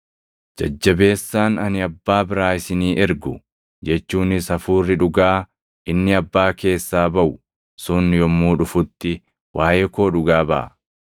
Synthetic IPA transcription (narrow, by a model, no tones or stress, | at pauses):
d͡ʒɐd͡ʒːɐbe̞ːsːaːnɐnɪɐbːaːbɪɾaːɪsɪniːʔɛɾɡʊ | d͡ʒɛt͡ʃːuːnɪsɐfuːrːɪᶑʊɡaː | ʔɪnːɪɐbːaːke̞ːsːaːbɐʔʊ | sʊnjɔmːuːᶑʊfʊt̪ːɪ | wʔaːjeːkoːᶑʊɡaːbɐʔɐ̰